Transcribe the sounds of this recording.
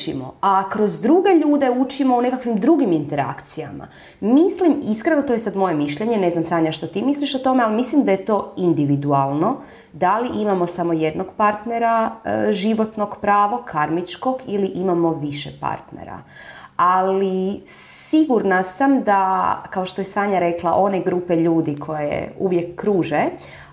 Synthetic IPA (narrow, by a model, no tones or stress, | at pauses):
ḭmo̰akɾo̞zd̪ɾuɡe̞ʎuːd̪e̞ut͡ʃimo̞une̞kakʋimd̪ɾuɡimint̪e̞ɾa̰kt̪sija̰ma̰ | mislimiskɾenot̪ojesad̪mo̞je̞miʃʎeɲe̞ne̞znamsaːɲaʃt̪o̞t̪iːmisliʃot̪o̞mealimislimd̪ajet̪o̞ind̪iʋid̪ualˠno̞ | d̪aliʔimamosamo̞je̞d̪no̞ɡpaɾt̪ne̞ɾaʒiʋo̞t̪no̞ɡpɾaːʋokʰaɾmit͡ʃko̞ɡiliʔimamo̞ʋiʃepa̰ɾt̪nḛɾa̰ | alisiɡuɾnasamd̪akao̞ʃt̪o̞jesaːɲaɾe̞klˠaʔo̞ne̞ɡɾupeʎuːd̪ikʰo̞jḛuʋje̞kːɾuːʒe